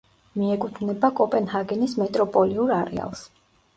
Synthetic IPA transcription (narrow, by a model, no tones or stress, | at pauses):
miɛkʼut̪ʰvnɛbakʼɔpʼɛnhaɡɛnismɛt̪ʼɾɔpʼɔliuɾaɾɛ̰a̰lˠs